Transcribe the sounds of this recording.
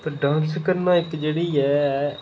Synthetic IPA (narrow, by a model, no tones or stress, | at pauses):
t̪əɖãːnskəɾnãːɪkd͡ʒeːɽiːɛː